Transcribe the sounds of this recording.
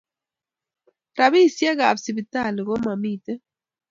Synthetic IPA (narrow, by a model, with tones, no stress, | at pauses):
ɾa˨βi˦˨sja˦ɣa˨bsi˨bi˨ta˦˨li˨ɣɔ˦ma˨miː˦˨tɛ˦